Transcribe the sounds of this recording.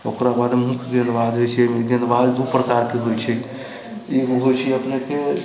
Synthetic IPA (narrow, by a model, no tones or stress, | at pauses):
okɾabad̪mũkʰɡənbad̪ɦojt͡ʃʰɛɛmeɡinbad̪d̪upɾəkaɾkeɦojt͡ʃʰɛ | eɡoɦojt͡ʃʰɛəpneke